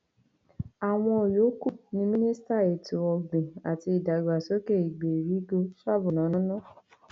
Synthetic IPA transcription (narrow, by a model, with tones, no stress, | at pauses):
a˨w̃ɔ̃˧o˨jo˨˦ku˦˨nĩ˧mĩ˦nĩ˦sta˦˨e˨to˨ɔ˧ɡ͡bẽ˨a˨ti˧i˨da˨ɡ͡ba˨so˦ke˦˨i˨ɡ͡be˨ɾi˨˦ɡo˧sa˦˨bũ˨nã˨˦nɔ̃˨˦nɔ̃˦˨